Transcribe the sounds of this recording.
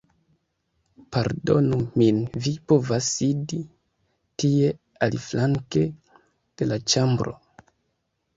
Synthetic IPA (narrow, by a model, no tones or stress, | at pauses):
paɾdo̞numinvipo̞vasidi | tie̞ | aliflaŋke̞ | d̥e̞lat͡ʃambɾo̞̰